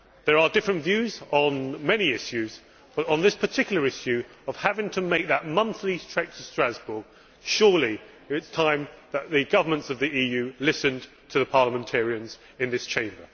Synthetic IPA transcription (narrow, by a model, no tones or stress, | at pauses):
ðə˞ədɪfɹə̃ntvjʉzn̩mɛniɪʃjʉz | b̥ʌɾn̩ðɪspʰə˞tʰɪkjl̩ˠəɹɪʃjʉ | əv̥hævɪ̃ŋtʰəmeɪk̚ðəʔ̚mʌ̃nθlistʰɹ̥ɛɪk̚tʰəstɹ̥æzbə˞ɡ̥̚ | ʃɔːlˠi | ɪtstʰãɪ̃mðəʔ̪̚ðɨɡʌvə˞mə̃ntsʌvðiʔijʉlɪsɨ̃n | tʰəðəpʰɑɹləmə̃ntʰɛɹiɨ̃nz | ɨ̃nðɪst͡ʃʰẽɪ̃mbə˞